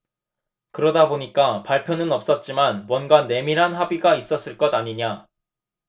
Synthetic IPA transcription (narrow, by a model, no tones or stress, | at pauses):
kɯɾʌdaboɲik͈apaɭpʰjʌnɯnʌp̚s͈ʌt̚t͡ɕ͈imanmwʌnɡane̞miɾɦanɦabiɡais͈ʌs͈ɯɭk͈ʌdaɲiɲa